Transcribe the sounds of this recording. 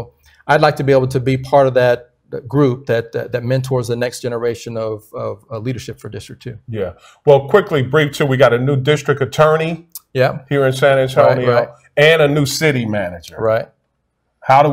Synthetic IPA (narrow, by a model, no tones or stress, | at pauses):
aɪdˡlaɪk̚tʰɨbieɪbl̩ˠtʰɨbipʰɑɹɾʌvðɨt̚ | ɡ̥ɹʉp̚ðɨt̚ðɨt̚mɛ̃ntʰɔɹzðɨnɛksd̥ʒ̥ɛnə˞eɪʃɨ̃nʌvʌvliɾə˞ʃɪpfə˞dɪstɹ̥ək̚tʰʉjæ | wɛlˠkʰw̥ɪklibɹiftʰɨwiɡɑɾɨnʉdɪstɹ̥ɨk̚tɨtʰɜ̃˞nijɛhiɹɨ̃nsæ̃ñɨ̃tʰõʊɪniɹaɪt̚ | ɨ̃nɨnʉsɪɾimænɨd͡ʒə˞ɹaɪt̚ | haʊɾə